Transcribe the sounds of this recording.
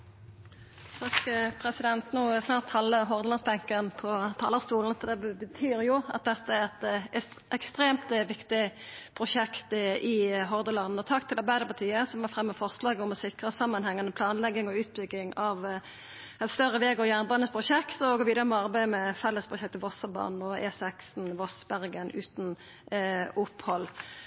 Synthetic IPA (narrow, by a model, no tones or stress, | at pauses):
t̪ʰɑkpʰɾɛsɪd̪ɛnt̪noːsnɑːʁt̪hɑlːəɦɔʁd̪əlɑnsbɛŋkənpʰɔt̪ʰɑ̰ːləst̪uːln̩fɔd̪ɛbbət̪ʰyːɾjʊɑ̰t̪̚d̪ɛt̪ːəæʁɛt̪ | ʔɛkst̪ɾeːmt̪ʋɪkt̪ɪpʰʁʊʃɛkt̪ʔɪɦɔʁd̪əlɑn̩ɔt̪ʰɑkt̪ʰɪlɑʁbæɪd̪əpɑt̪ʰiːəsɔmʋɑːfʁɛmːɑfɔʁslɑːɡəʊmɔsɪkʁəsɑmːɑnhɛŋːɑnəpʰlɑːnlɛɡːɪŋɔʉːt̪̚bʏɡːɪŋɑʋ | ɛt̪st̪œʁːəʋeːɡoːjæːʁnbɑːnəspʰʁʊʃɛkt̪ɔɡoːʋiːd̪əʁəmɑʁbæɪəmɛfɛlːəspʰʁʊʃɛk̚t̪əʋɔsɑbɑ̰ːnn̩ɔɛːsɛksn̩ʋɔsbæʁɡənʉːt̪n̩ | ʊpːhɔl